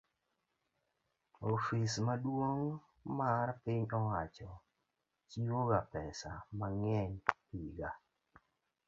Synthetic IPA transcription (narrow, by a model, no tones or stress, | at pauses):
ofismadwoŋ | maɾpɪɲɔwat͡ʃɔ | t͡ʃiwoɡapɛsa̰maŋɛɲpiɡa